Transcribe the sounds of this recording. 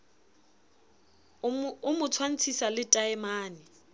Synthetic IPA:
ʊmʊt͡sʰwan̩t͡sʰisalɪtʼaɪmaːnɪ

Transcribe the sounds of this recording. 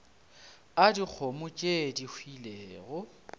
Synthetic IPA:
adik͡xʰomʊt͡ʃʼedihʰwileːɣʊ

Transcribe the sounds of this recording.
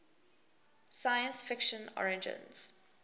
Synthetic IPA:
sajə̃nsfɪkʃə̃nɔ̰ɹɪd͡ʒə̰̃nz̥

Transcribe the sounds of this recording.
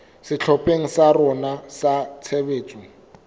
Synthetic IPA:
sɪt͡ɬʰɔpʼeŋ̩sarɔnasat͡sʰebeːt͡sʼʊ

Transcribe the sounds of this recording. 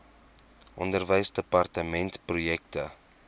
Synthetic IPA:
ʔɔndərvəjsdəpɐrtəmɛntprujɛk̚tə

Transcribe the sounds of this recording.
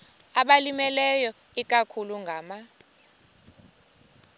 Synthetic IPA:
aɓalimɛlɛjɔ | ik̬ʼakʰuluŋɡʱaːma

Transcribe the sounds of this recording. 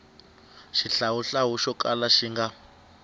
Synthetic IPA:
ʃiɬawuɬaɦuʃɔkʼalaʃiŋɡa

